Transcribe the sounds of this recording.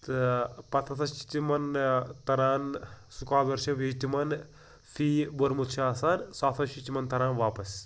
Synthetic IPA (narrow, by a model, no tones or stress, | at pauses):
t̪ɨpɐt̪ʰɐt̪ʰɐʃt͡ʃi̥t̪imɐnt̪ɐɾaːnsukaːd̪ɐɾʃɐʋid͡ʒt̪imɐn | fʰiːbɐɾmut̪ʃʰaːsaːnsaːt̪ʰɐʃitimɐnt̪ɐɾaːnʋaːpɐs